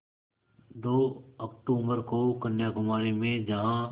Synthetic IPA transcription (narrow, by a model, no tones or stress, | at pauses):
d̪oːɐk̚ʈuːbəɾkokɐnjakʊmaːɾimẽd͡ʒɐɦã